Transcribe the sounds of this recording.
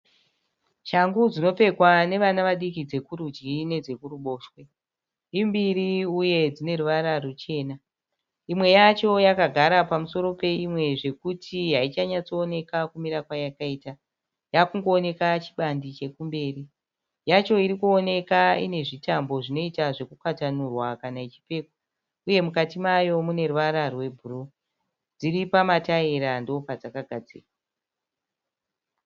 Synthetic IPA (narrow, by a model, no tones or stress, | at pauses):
ʃaŋɡud͡zino̞pe̞kwane̞ʋanaʋaɗik̬id͡ze̞kuɾud͡ʒɡine̞d͡ze̞kuɾuɓo̞ːʃwe̞ | imbiɾiuje̞d͡zine̞ɾuʋaɾarut͡ʃe̞ːna | imwe̞jat͡ʃo̞jakaɡʱaɾapamuso̞ɾo̞pe̞imwe̞ʐe̞kutʰiɦait͡ʃaɲat͡soːne̞kakumiɾakwajakaiːta | jakuŋɡo̞ːne̞kat͡ʃi̥ɓandit͡ʃe̞kumbe̞ːri | jat͡ʃo̞iɾikuone̞kaḭne̞ʐitambo̞ʐino̞itaʐe̞kukatanurwakanaet͡ʃi̥pe̞ːko | uje̞mukatimajo̞mune̞ruʋaɾarwe̞bʱuru | d͡ziripamataiɾandoopad͡zakaɡʱad͡zḭːrwa